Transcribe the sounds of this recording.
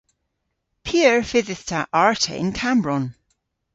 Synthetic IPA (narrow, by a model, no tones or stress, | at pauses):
pʰiəɹfɪðɪθtʰaʔaɹtʰə̰ʔɪ̰̃nkʰambɹɔn